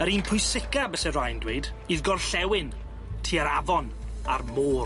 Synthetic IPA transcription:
əɾiːnpʰʊjsɪkabəsɛrajndweːd | iðɡɔrɬɛwɪn | tʰiːəɾavɔn | armoː

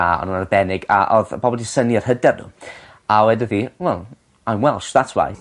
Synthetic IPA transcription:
aɔ̰nuːnarbɛnɪɡa̰ʔɔðbɔbɔlˠdisəniarhədɛrnṵ | awɛdəðiwɛl | ajmwɛlˠʃðatʰwa̰j

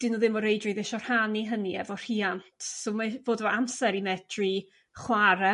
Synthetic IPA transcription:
d̥ɪnɔðɪmɔɾejdrɨðɪʃɔr̥haniɦəniɛ̰vɔr̥iantʰsomavoːdvɔamsɛɾimɛdri | χwaɾɛ

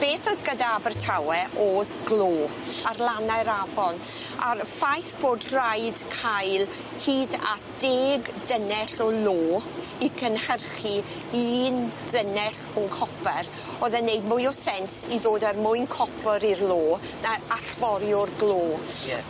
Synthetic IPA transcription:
b̥eːθɔðɡədabərtʰawɛʔoðɡloːarlˠanajɾavɔn | arfajθb̥oːdrajdkʰajlˠ | hiːda̰ | d̥eːɡdənɛɬɔloː | ikʰənhərχi | iːnd̥ənɛɬ | ɔkʰɔpʰɛɾ | oðɛneɨd̚mʊjɔsɛnsiðoːdarmʊɨnkʰɔpəɾirlˠoː | naaɬvɔɾjɔrɡloː

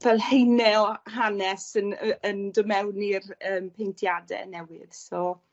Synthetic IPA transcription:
vɛlˠhejnɛɔhanɛsənəndʊmɛwnirəːmpʰejntʰjadɛ̰nɛwɪ̰ðsɔ

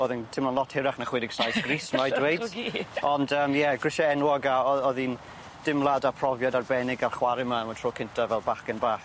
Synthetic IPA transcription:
oːðɪntʰɪmɔnlˠɔtʰhɪɾaχnaχwɪdɪɡ̥snajsɡ̥rismmadwejdɔndəːmjɛɡrɪʃaɛnwɔɡaɔɔðin | d̥ɪmlˠadapʰr̥ɔvjadarbɛnɪɡarχwaɾɪmaəməntʰroːkʰɪntʰavɛlˠbaχkənbaːχ

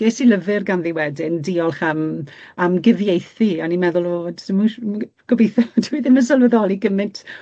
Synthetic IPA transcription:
eːsiləvɨrɡanðiwɛdɪndiɔlˠχamamɡɪðjejθianimɛðʊlˠɔdsɪmu | ɡ̥ɔbejθɔdiwiðɪməs̬ɔlˠvəðɔlˠiɡəmɨntʰ

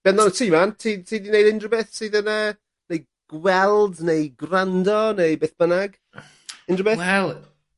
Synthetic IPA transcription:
b̥ɛnðɔnətʰiːmantʰiːtʰiːdinejdɪndrəbɛθsiːðəna | nej | ɡ̥wɛlˠdnejɡrandɔnejbeːθb̥ənaɡ̥ | ɪndrəbɛɛlˠ

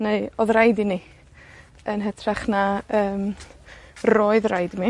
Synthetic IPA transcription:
neɨɔðrajdini | ənɦɛtʰraχnaəːm | roːɨðrajdmi

